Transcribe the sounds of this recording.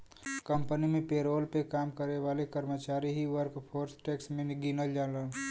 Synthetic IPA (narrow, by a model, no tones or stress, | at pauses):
kə̃mpənimẽpeːɾoːlpekaːmkəɾeʋaːlekəɾmət͡ʃaːɾiɦiʋəɾkpʰoːɾsʈeːksmẽnɪɡinəld͡ʒaːnlən